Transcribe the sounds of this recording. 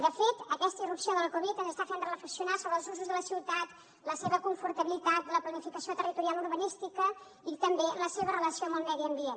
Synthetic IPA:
d̪əfet̪əkɛst̪əirupsioðəlkuβ̞it̪ənzəst̪afend̪ɾləfəsiunasoβɾəlˠzuzuzðələsiwt̪at̪ | ləseβəkuɱfuɾt̪əβilit̪at̪ləplənifikəsiot̪ərit̪uɾialuɾβənist̪ikə | it̪əmbeləseβ̞ərələsioəmbəlˠmɛðiəmbien

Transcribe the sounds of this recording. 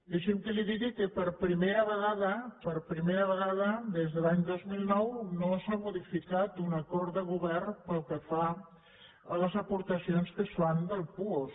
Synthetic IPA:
deʃemk̪əliðiðikəpəɾpɾimeɾaβəɣaðəpəɾpɾimeɾaβəɣað̞ɐd̪ezðəlaɲd̪ɔzmilˠnɔwnosamuðifikat̪unakɔɾt̪d̪əɣuβɛrnpəlˠkəfa | ələzɐpuɾt̪ɐsijonskəsfand̪əlˠpuos

